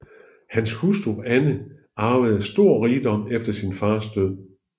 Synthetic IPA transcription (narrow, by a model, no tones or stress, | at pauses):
hænshusd̥uænə | ɑ̈ːʋaɪð̩ˠsd̥o̝ɐ̰ʁiːd̥ɒ̽m̰efd̥ɐsinfɑ̈ːsd̥øð̰ˠ